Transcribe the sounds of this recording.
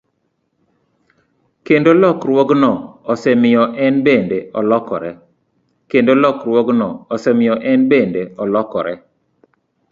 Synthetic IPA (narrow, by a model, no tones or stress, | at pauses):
kendolɔkɾwoɡnɔɔsɛmɪjɔʔɛnbendeɔlɔkɔɾɛ | kendolɔkɾwɔɡnɔːsɛmɪjɔʔɛnbendeɔlɔkɔɾɛ